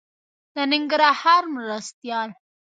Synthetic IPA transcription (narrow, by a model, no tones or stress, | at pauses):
d̪ənɪŋɡɾɑhɑɾmɾast̪jɑl